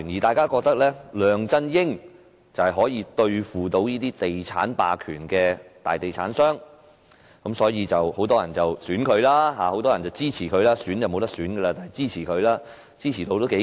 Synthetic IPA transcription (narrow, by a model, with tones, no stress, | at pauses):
njiː˨˩t̪aː˨jkaː˥kɔː˧k̚t̪ɐ˥k̚lɛː˥lœː˨˧ŋt͡sɐ˥njɪ˥ŋ | t͡sɐ˨˩whɛ˨jɦɔː˨˥jiː˨˧t̪ɵ˧ɥfuː˨t̪o˧wjiː˥t̪iː˥t̪e˨jt͡sʰa̰ː˨˥npa̰ː˨kʰy̰ː˨˩nkɛː˧t̪a̰ː˨jt̪e˨jt͡sʰa̰ː˨˥nsœː˥ŋ | kɐ˨˥msɔː˨˥jiː˧t͡sɐ˨who˨˥wt̪ɔː˥jɐ˨˩nt͡sɐ˨wsyː˨˥nkʰɵ˨˧ɥlaː˥ɦaː˨˧ho˨˥wt̪ɔː˥jɐ˨˩nt͡sɐ˨wt͡siː˥t͡sʰiː˨˩kʰɵ˨˧ɥlaː˥syː˨˥njɐ˨wmo˨˧wt̪ɐ˥k̚syː˨˥nɡə˧aː˧t̪aː˨˩nɛ˨˩jt͡siː˥t͡sʰiː˨˩kʰɵ˨˧ɥlaː˥ | t͡siː˥t͡ɕʰiː˨˩t̪o˧wt̪o˥wke˨˥